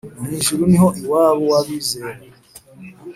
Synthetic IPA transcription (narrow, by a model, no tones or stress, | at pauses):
omiːʃuɾunihoʔiwaːβowaβize